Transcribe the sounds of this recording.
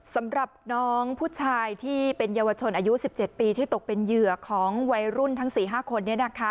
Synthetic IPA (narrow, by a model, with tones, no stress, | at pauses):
sa˩˦mɾa˨˩p̚nɔː˦˥ŋpʰuː˥˩t͡ɕʰaː˧jt̪ʰiː˥˩pe˧njaː˧wa˧t͡ɕʰo˧nʔaː˧ju˦˥si˨˩p̚t͡ɕe˨˩t̪̚piː˧t̪ʰiː˥˩t̪o˨˩k̚pe˧njɯ˨˩ɐkʰɔː˩˦ŋwa˧jɾu˥˩nt̪ʰa˦˥ŋsiː˨˩ɦaː˥˩kʰo˧nːi˥˩ɐna˦˥˩kʰa˦˥